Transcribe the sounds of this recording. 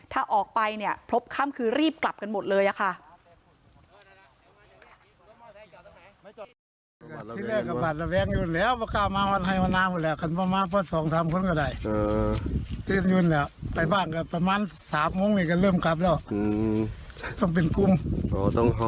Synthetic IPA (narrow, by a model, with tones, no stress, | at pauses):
t̪ʰaː˧˥˩ʔɔː˨˩k̚pa˧jni˥˩ɐpʰo˦˥p̚kʰa˧˥˨mkʰɯː˧ɾiː˥˩p̚kla˨˩p̚ka˧nmo˨˩t̪̚lɤː˧jʔa˨˩kʰa˧˥˩ʔ | ka˧˨˧tʰiː˧˨lɛː˧˩˧ka˧˩baː˨˩t̪̚la˧wɛː˧˥ŋjuː˧˩nlɛː˧˥˨wbɔː˧˦kaː˧˩wmaː˧˥wa˧˥˨nɦa˧˩jmaː˧˥˨nːaː˧˥˨mʰuː˧˩lɛː˧˥˩wkʰa˧˩nbɔː˧˦maː˧˥˨pʰɔː˧˥˨sɔː˨˦ŋsaː˨˦mkʰo˧˥˨nkɔ˧˩da˧˩j | t̪i˧˩˨njuː˧˨nla˧˩pa˨jbaː˧˩nka˧˩pa˧maː˧˥˨nsaː˨˦mːo˧˥ŋniː˧˩ka˧˩lɤː˧˥˩mka˧˦p̬̚lɛː˧˩w | t̪ɔː˧˩ŋp̬e˨nku˧˥mɔː˧˩t̪ɔ˧˨ŋ